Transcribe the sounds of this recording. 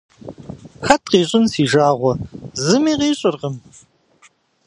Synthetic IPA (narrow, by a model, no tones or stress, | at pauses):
xɐt̚ʰqiːɕʼɪnsiːʒaːʁʷɔzɨmiːʁiːɕʼɪrʁəm